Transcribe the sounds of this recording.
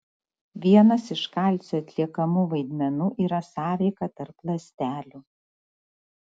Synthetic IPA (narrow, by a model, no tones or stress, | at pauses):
ʋʲiɛnɐsɪʃkɐˑlʲˑsʲuːɐt̪ʲlʲiɛkɐmuʋɐɪd̪ʲmʲɛnuːʔiːɾɐsɑːʋʲɛɪkɐt̪ɐɾplˠɐsʲt̪ʲæːlʲuː